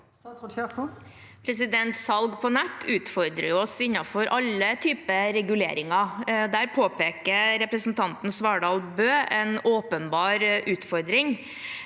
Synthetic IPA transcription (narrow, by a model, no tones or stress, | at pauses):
pʰɾɛs̬ɪd̪ɛnt̪sɑlɡpʰɔnɛt̪ːʉːt̪fɔɾd̪ɾəjʊɔsɪnːɑfɔɾʔɑlːət̪ʰyːpəɾɛɡʉlḛːɾɪŋɑd̪æːɾpʰoːpeːkəɾɾɛpɾəsnt̪ʰɑnt̪n̩sʋɑːɖɑːlbøːɛnoːpənbɑːɾʉːt̪fɔɾd̪ɾɪŋ